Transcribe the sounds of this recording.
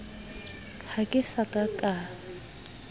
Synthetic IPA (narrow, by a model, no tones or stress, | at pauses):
hakʼɪsakʼakʼa